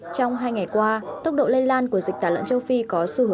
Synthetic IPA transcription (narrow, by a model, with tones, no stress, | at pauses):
t͡ɕɔ˧wŋ͡mɦaː˧jŋa˨˩jkwaː˧t̪ə˦˥k͡p̚ɗo̰˧˨le˧laː˧nku˧˩əzi̟˨˩t̪aː˧˩lə̰˧˨nt͡ɕə˧wfi˧kɔ˨˦sɨ˧˩ɦɨ˧˩